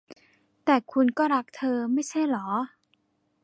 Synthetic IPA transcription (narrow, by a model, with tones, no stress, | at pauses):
t̪ɛː˨˩kʰu˧nkɔː˥˩ɾa˦˥k̚t̪ʰɤː˧ma˥˩jt͡ɕʰa˥˩jlɔː˩˦